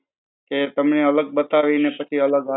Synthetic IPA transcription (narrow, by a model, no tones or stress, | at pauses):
ket̪əmneələɡ̚bət̪aʋinepət͡ʃʰiələɡɦa